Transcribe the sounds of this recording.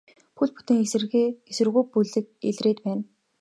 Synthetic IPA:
pʰɵɮput̪ĕŋes̆rɣeesɘ̆rɣujpuɮɘ̆k̚ḛɮreːt̪pæːn

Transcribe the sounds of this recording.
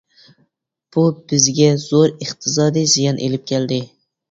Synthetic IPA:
b̥ub̥ɪzɡʲɛz̥oɾɨχt̪ʰɨzɑd̪ijzijɑnʔḛlɪp̚kʲʰɛld̪ɪ

